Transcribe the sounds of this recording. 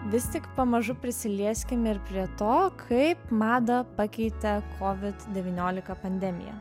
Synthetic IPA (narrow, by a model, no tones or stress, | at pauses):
ʋʲɪst̪ʲɪkpɐmɐʒʊpʲɾʲɪsʲɪlʲiɛsʲkʲɪmɪɾpʲɾʲiɛt̪oːkʰɐɪpmɑːd̪ɐpɐkʲɛɪt̪ʲɛkʰoːʋʲɪt̪d̪ʲɛʋʲiːnʲoːlʲɪkɐpɐnʲd̪ʲɛmʲɪ̰jɛ̰